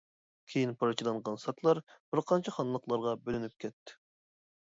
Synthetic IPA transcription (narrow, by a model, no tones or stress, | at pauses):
kʲʰejinpʰɑɾt͡ʃʰilˠɑɴʁɑnsɑt̪ʰlˠɑɾb̥ɪɾqʰɑnt͡ʃʰɛχɑnlˠəqlˠɑɾʁɑbølynyp̚kʲʰɛt̪ʰːɪ̥